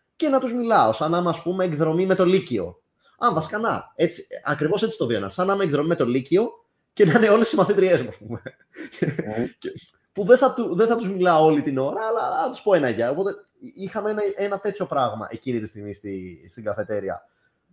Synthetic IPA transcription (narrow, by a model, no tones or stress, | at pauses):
ce̞nɐt̪uzmilɐo̞sɐnɐmeɐspume̞ːkðɾo̞mime̞t̪o̞licio̞̰ | ɐɱvɐsi̥kɐnɐ̰e̞t͡siɐkɾivo̞se̞t͡si̥t̪o̞ðioenɐ̰sɐnɐmeːkðɾomimet̪o̞licio̞ | ce̞nɐineo̞le̞sizmɐθit̪ɾie̞zmuɐspume | ce | puðeθɐt̪uðeθɐt̪uzmilɐoo̞lit̪ino̞ɾɐːlɐɐt̪u̥spo̞enɐʝɐo̞po̞t̪e̞ | ixɐmeenɐenɐt̪e̞t̪ʰço̞pɾɐɣmɐ̰ʔe̞cinit̪ist̪iɣmist̪ist̪iɡɐθe̞t̪e̞ɾiɐ̰